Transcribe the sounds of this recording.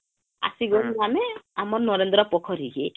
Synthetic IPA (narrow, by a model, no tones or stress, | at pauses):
a̰siɡɔniɦameamɔɾnɔɾend̪ɾɔpɔkʰɔɾiɡe